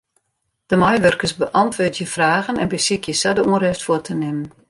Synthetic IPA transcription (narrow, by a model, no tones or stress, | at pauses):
d̥əmajʋørkəsbəʔɑntʋoːtjəfraːɣənɛnbəsikjəsɛdəuərɛftfʊətʰənɪmən